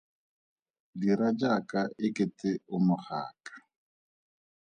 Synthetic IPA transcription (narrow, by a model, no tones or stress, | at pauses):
diɾad͡ʒakʼaʔɪkʼɪtɪʊmʊχa̰ːkʼḁ